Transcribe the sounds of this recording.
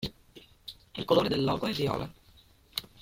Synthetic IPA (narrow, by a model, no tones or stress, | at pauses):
ḭlkoloːɾed̪elːɔːɡoɛvjɔ̰ːlʔa̰